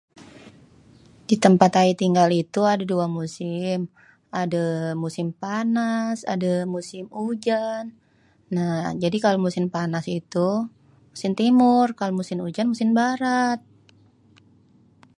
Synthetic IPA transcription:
d̥it̪əmpat̪ait̪iŋɡalit̪uadaduamusɪm | adamusɪmpanasa̰damusɪmud͡ʒanː | ad͡ʒadikalomusɪmpanasit̪u | musɪmt̪imʊrkalomusɪmud͡ʒanmusɪmbaɾat̪̚

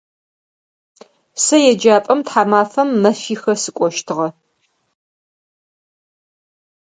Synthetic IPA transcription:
sɐjɛd͡ʒaːpʼɐmtħaːmaːfɐmːɐfiːxɐsɨkʷʼɔʃtʰɨʁɐ

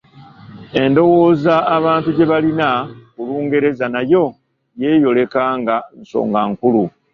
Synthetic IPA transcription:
e̞ndo̞wo̞ːzaːβaːntuɟe̞βalinakuluːŋɡe̞ɾe̞zanajo̞ | je̞ːjo̞le̞kaːŋɡanso̰ːŋɡaŋkulu

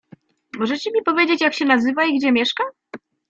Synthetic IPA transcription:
mɔʐɛt͡ɕɛmʲipɔvʲjed͡ʑet͡ɕjakɕɛnazɘvaiɡd͡ʑɛmʲjɛʂka

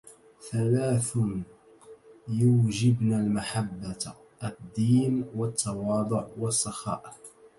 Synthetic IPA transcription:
θalaːθ | juːd͡ʒɪbnaːlmaħabːa | ʔad̪ːiːnwɑt̪ʰːɑwɑːd̪ˤʊʕwɑsˤːɑxɑ̰ːʔ

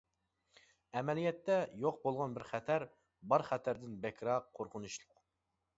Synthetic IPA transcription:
ɛmɛlijɛt̪ːɛjoq̚bolˠʁɑnbɪɾχæt̪ʰæɾ | bɑɾχæt̪ʰæɾd̪ɪnbɛkʲʰɾɑqʰːoɾqʰʊnuʃlˠʊq

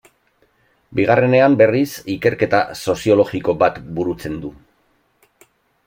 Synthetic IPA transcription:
biɣ̞are̞ne̞ambe̞risike̞ɾke̞t̪aso̞sio̞lo̞ɣiko̞bat̪buɾut͡se̞nd̪u

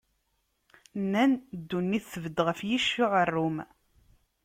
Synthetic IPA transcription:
nːænd̪ːunːiθθəvəd̪ːʁəfjiʃːʊʕərːʊm

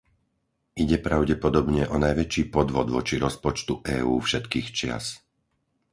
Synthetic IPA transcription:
iɟɛpɾaʊɟɛpɔd̪ɔbɲɛʔɔnajʋɛt͡ʃiːpɔd̪ʋɔd̪ʋɔt͡ʃiɾɔspɔt͡ʃt̪uʔɛːuːfʃɛt̪kiːxt͡ʃɪa̰s

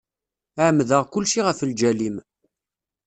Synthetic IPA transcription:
ʕəmːðəʁkʊlʃiʁəfəld͡ʒælim

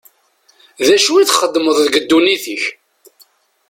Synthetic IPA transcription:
ðæʃuiθχəd̪ːməðˤðəɡəd̪ːuniθiç

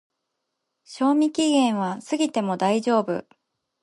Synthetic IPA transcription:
ɕo̞ːmʲikʲiɡẽ̞ɰ̃β̞asɨɡʲit̪e̞mo̞d̪aiʑo̞ːbɯ̟̰

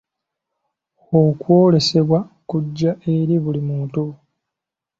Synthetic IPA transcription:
okwo̞ːle̞se̞βwakuɟːaʔe̞ɾiβulimuːntu

